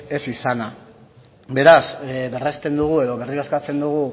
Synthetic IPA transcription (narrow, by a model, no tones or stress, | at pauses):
e̞sisana | be̞ɾasβe̞rest̪e̞nd̪uɣ̞ue̞ðo̞βe̞riɾaskat͡se̞nd̪uɣ̞u